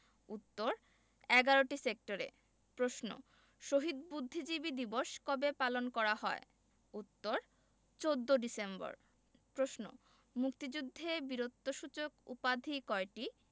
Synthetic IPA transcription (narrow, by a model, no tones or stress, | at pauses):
ut̪ːoɾ | ɛɡaɾoʈisek̚ʈoɾḛ | pɾosno̰ | ʃoɦid̪bud̪ʱːid͡ʑibid̪iboʃkɔbepalonkɔɾahɔe | ut̪ːoɾ | t͡ɕod̪ːoɖisembo̰ɾ | pɾosno̰ | mukt̪id͡ʑud̪ʱːebiɾot̪ːoʃut͡ɕokṵpad̪ʱikɔeʈi